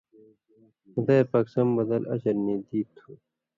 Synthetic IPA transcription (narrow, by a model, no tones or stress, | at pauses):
d̪ɐpɐksɐmbɐd̪ɐlɐ̰ɕɐɾniːd̪iːt̪ʰːuː